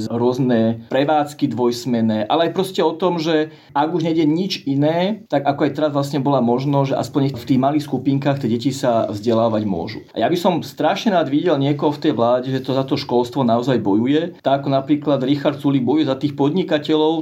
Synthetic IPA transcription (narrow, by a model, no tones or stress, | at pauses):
zɦɾʊɔznɛːpɾɛʋaːt͡skid̪ʋɔjsmɛnɛːʔa̰lɛajpɾɔscɛɔt̪ɔmʒɛ | aɡuʒɲɛɟɛɲit͡ʃinɛːt̪aɡakɔajt̪ɛɾazʋlasɲɛbɔlaːmɔʒnɔʒɛʔa̰spɔɲɲɛft̪iːɣmaliːxskupiːŋkaːxt̪jɛɟɛcisavzɟɛlaːʋaɟmʊɔ̰ʒṵʔa̰jabisɔmst̪ɾaʃɲɛɾaːd̪ʋiɟɛlɲɪɛkɔɦɔft̪ɛjʋlaːɟɛʒɛt̪ɔzat̪ɔʃkɔlst̪ʋɔnaɔzajbɔjujɛt̪aːkɔnapɾiːklad̪ɾixaɾt̪suliɡ̚bɔjujɛzat̪iːxpɔd̪ɲikacɛlɔʊ